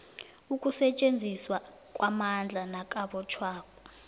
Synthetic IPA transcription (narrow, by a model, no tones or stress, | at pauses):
ukʼusɛt͡ʃʼend͡zʱiswa | kʼwʔamand͡ɮʱanakʼaɓɔt͡ʃʰwaːkʼɔ